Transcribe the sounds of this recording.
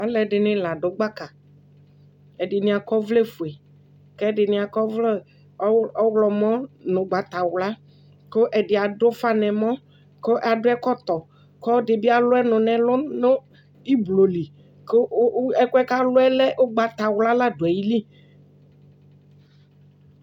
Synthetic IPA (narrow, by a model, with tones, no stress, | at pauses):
a˨˦lɛ˨ɖɪ˨nɪ̃˦la˨ɖʊ˨˦ɡ͡ba˦ka˨ | ɛ˨dɪ˨nɪ̃˨a˨kɔ˦vlɛ˦fʊ˨e˨ | kɛ˦dɪ˨nɪ̃˨a˨kɔ˦vlɔ˦ | ɔ˦wlɔ˨mɔ̃˦nʊ̃˨ɡ͡ba˨t̪a˨wla˦ | ko˦ʔɛ˨dɪ˨a˨ɖʊ˦fa˦nɛ̃˨mɔ̃˦ | ko˦ʔa˨dʊ˦ɛ˦kɔ˦t̪ɔ˨ | kɔ˦dɪ˨bɪ˦a˨lʊ˦ɛ˦nʊ̃˨nɛ̃˨lʊ˦nʊ˦ | i˦blo˨li˨ | ko˦ɛ˦kʷɛ˦ka˦lʊ˦ɛ˦lɛ˦ʔo˦ɡ͡ba˨t̪a˨wla˦la˦dʊ˨ɛ˨ji˦li˦